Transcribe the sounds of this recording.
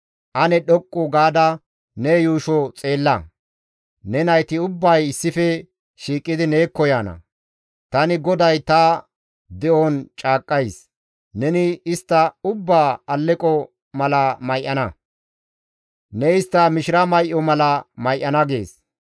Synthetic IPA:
ʔɐnɛɗɔkʼːʊɡaːd̪ɐ | nɛjuːʃɔt͡sʼe̞ːlːɐ | nɛnɐjt̪ɪʊbːɐjɪsːɪfɛ | ʃiːkʼːɪd̪ɪneːkːɔjaːnɐ̰ | t̪ɐnɪɡɔd̪ɐjt̪ɐ | d̪ɛʔont͡ʃʼaːkʼːɐjs | nɛnɪɪst̪ːɐʊbːaːɐlːɛkʼɔ | mɐlɐmɐjʔːɐnɐ | nɛɪst̪ːɐmɪʃɪɾɐmɐjʔɔmɐlɐmɐjʔɐnɐɡe̞ːs

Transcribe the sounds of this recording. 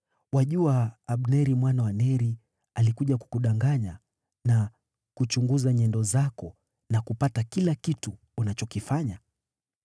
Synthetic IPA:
waʄuaːɓnɛɾimwanawanɛɾi | alikuʄaku̥kuɗaŋɡaɲa | na | kut͡ʃuŋɡuzaɲɛndɔzakɔ | nakupatakilakituːnat͡ʃɔkifaɲa

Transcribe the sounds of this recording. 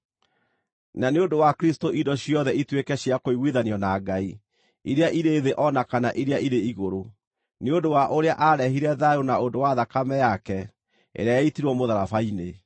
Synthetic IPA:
naneondowakɾistoʔidɔɕiɔðɛitwekɛɕjakoiɣwiðaniɔnaɡai | iɾeaʔiɾeːðeʔɔnakanaʔiɾeaiɾeiɣoɾo | neondowaʔoɾeaʔaɾɛɦiɾɛðaɾonaondowaðakamɛjakɛ | ḛɾeajaitiɾwɔmoðaɾafaine

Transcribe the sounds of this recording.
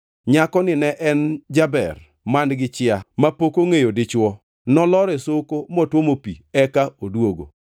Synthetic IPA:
ɲakɔnɪnɛʔɛnd͡ʒabɛ̰r | mandɡɪt͡ʃɪamapokoŋejodɪt͡ʃwɔ | nɔlɔɾɛsokomɔtwomopḭɛkaodwoɡo̰

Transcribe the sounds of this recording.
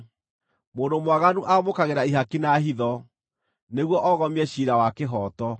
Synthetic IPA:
moːndomwaɣanuʔamokaɣeɾaiɦakinaɦiðɔ | neɣwɔʔɔɣɔmiɛɕiɾawakeɦɔtɔ

